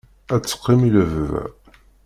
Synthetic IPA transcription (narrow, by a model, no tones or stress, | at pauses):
æt͡sːə̥qːimiləvv̰